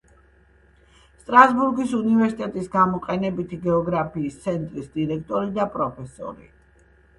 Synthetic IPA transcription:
st̪ʼɾasbuɾɡisunivɛɾsit̪ʼɛt̪ʼisɡamɔqʼɛnɛbit̪ʰiɡɛɔɡɾapʰiːst̪sʰɛnt̪ʼɾisd̪iɾɛkʰt̪ʼɔɾid̪apʼɾɔpʰɛsɔ̰ɾḭ

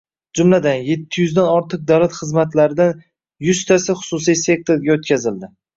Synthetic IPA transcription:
d͡ʒʊmlad̪anje̞t̪ʰːɪjʏzd̪anɒɾt̪ʰɨq̚d̪awlat̪χɨzmat̪ʰlaɾɪd̪an | jʊst̪ʰasɪχʊ̥sʊsijse̞k̚t̪ʰoɾɡʲaot̪kʲʰazɪld̪ɪ

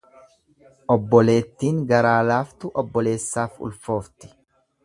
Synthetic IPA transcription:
ʔɔbːɔle̞ːt̪ːiːŋɡɐɾaːlaːft̪ʊʔɔbːɔle̞ːsːaːfʊ̰lfo̞ːft̪ɪ̥

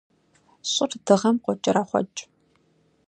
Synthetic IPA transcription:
ɕʼʊrd̥ɨʁɐmqʷʼɔt͡ʃʼɪɾaχʷɔ̰t͡ʃʼ

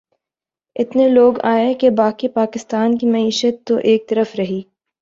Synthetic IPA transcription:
ɪt̪neloːɡaːekebaːkipaːkɪst̪aːnkimɐiːʃət̪ːoʔeːk̚t̪ɐɾəfɾɐɦiː

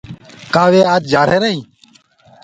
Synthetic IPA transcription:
kaːʋeːaːt̪̚d͡ʒaːɾ̤eːɾəɦĩː

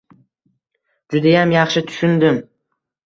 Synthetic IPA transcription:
d͡ʒʊd̪ajamjɑχʃɪt̪ʰʊ̥ʃʊnd̪ɪm

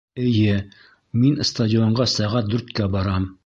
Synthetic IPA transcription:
ɘ̆jɘ | minst̪adʲɪoɴɢɑsæʁæt̪̚d̪ʉɾt̪kæbɑɾɑm

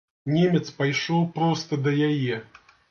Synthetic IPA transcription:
nʲemʲɛt̪spajʂɔwpɾɔst̪ɐd̪ɐjajɛ

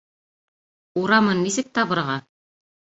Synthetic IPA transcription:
uɾɑmɤnːisɘ̆k̚t̪ɑβɤ̆ɾɑʁɑ

